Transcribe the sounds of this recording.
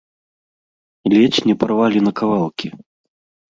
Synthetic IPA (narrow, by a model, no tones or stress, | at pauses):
lʲɛt͡ɕʲnʲɛparvalʲinɐkavalˠkʲʰi